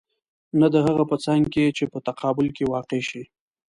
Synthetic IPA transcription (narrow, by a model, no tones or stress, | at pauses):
nad̪əɦaɣapət͡saŋɡket͡ʃepət̪aqʰɑbʊlkewɑqeʃi